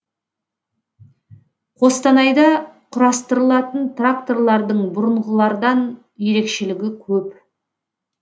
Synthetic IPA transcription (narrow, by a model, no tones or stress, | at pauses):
qʰo̞st̪ɑnɑjd̪ɑqʰʊɾɑst̪əɾəlˠɑt̪ənt̪rak̚t̪o̞rlˠɑɾd̪əɴbʊɾəɴʁəlˠɑɾd̪ɑn | je̞ɾe̞kʃe̞lɪɡʲɪkʲʰɵp